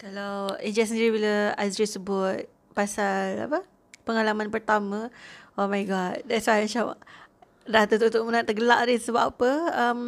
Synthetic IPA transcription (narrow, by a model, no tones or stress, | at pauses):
kalawid͡ʒasəndiɾibiləazɾisəbʊt̪̚ | pasala̰pə | pəŋalamanpərt̪amə̃omajɡɔt̪̚dɛtswajmət͡ʃam | dat̪ət̪ut̪uʔmənaʔt̪əɡəla̰ʔdisəbaʔapəəm